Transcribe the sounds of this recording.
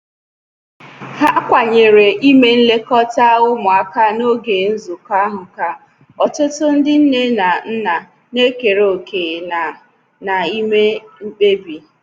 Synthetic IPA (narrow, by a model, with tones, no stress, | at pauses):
ha˦kʷa˨ɲe˨ɾe˨ʔi˦me˦n̩˦le˦kɔ˦ta˦ʊ˦mʊ˨a˦ka˦no˦ɡe˨n̩˦zu˨ka˦ɦʊ˨ka˦ | ɔ˨tʊ˦tʊ˦n̩˦dɪ˦n̩˦ne˦na˨n̩˦na˨ | ne˦ke˨ɾeo˨ke˨a˨ | na˨i˦me˦m̩˦k͡pe˦bi˨